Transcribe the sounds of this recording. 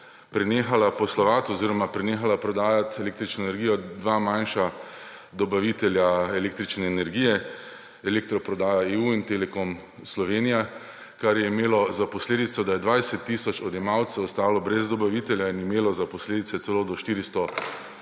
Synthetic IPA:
pɾɛneːxalapɔslɔʋat̪ɔziɾɔmapɾɛneːxalapɾɔd̪aːjat̪ɛleːk̚t̪ɾit͡ʃnɔɛnɛɾɡijɔd̪ʋaːmajnʃa | d̪ɔbaʋit̪ɛljaɛleːk̚t̪ɾit͡ʃnɛːnɛɾɡiːjɛ | ɛlek̚t̪ɾɔpɾɔd̪aːjaeːuint̪elɛkom | slɔʋeːnija | kaɾjɛimeːlɔzapɔsleːd̪it̪sɔd̪ajɛd̪ʋajsɛt̪ːisɔt͡ʃɔd̪jɛmawt̪sɛɔst̪aːlɔbɾɛzd̪ɔbaʋit̪ɛljainimeːlɔzapɔsleːd̪it̪sɛt̪sɛloːd̪ɔʃt̪iːɾist̪ɔ

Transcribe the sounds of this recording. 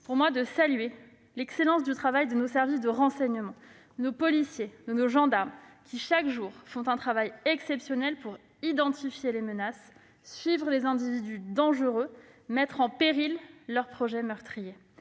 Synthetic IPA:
puʁmwad̪əsalɥe | lɛkselɑ̃s̬d̪yt̪χavajd̪ənosɛʁvis̬d̪əʁɑ̃sɛɲəmɑ̃ | nopɔlisjed̪ənoʒɑ̃d̪aʁmkʲiʃakʒuːʁfɔ̃t̪ɛ̃t̪χavajɛksɛpsjɔnɛlpuʁ | id̪ɑ̃t̪ifjelemənas | sɥivʁəlezɛ̃d̪ivid̪yd̪ɑ̃ʒəʁø | mɛt̪χɑ̃peʁilːœʁpχɔʒɛmœʁt̪χije

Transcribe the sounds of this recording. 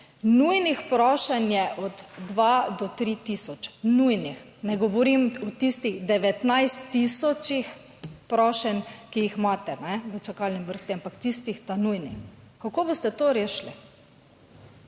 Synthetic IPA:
nujnixpɾɔːʃɛnjɛʔɔd̪d̪ʋad̪ɔt̪ɾit̪isɔt͡ʃnujnix | nɛɡɔʋɔɾimɔt̪ist̪iɣd̪ɛʋɛt̪najst̪ːisɔt͡ʃix | pɾɔʃɛnkijixmaːt̪ɛnɛʋət͡ʃakalniʋəɾst̪iampakt̪ist̪ixt̪anujnixkakoːbost̪ɛt̪oɾeːʃli

